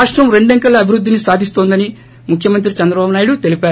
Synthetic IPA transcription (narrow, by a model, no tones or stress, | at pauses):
aːʂʈɾɐmɾe̞ɳɖeŋkɐlːɐːbʱiɾud̪ːinisaːd̪ʱist̪o̞ːnd̪ɐni | mukʰjɐmɐnt̪ɾit͡ʃɛnd̪ɾɐbaːbunaːjɽut̪e̞lipaːɾ